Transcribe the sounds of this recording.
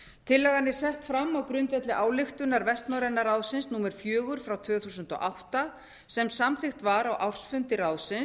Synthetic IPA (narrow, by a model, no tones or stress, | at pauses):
t̪ʰɪlːɛɣanːɪ̥sɛht̪fɾamːawkɾʏnt̪vɛt̪lɪʔaːwlɪxt̪ʏnaɾvɛst̪nawɾɛnːaɾaːwsɪnsnuːmɛɾ̥fjœːɣʏɾ̥fɾawt̪ʰv̥ʏːθuːsʏnt̪ɔ̰ʔawht̪a | sɛmsamθɪxt̪vaɾawʔawr̥sfʏnt̪ɪraːwsɪn